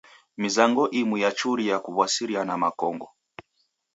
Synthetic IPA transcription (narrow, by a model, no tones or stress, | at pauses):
mizaŋɡɔʔimwijat͡ʃuɾiakuβwasiɾianamakɔŋɡɔ